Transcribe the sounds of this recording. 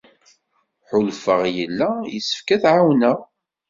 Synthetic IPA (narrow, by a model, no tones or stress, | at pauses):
ħʊlfəʁjəlːæjəsə̥fkæθʕawnæ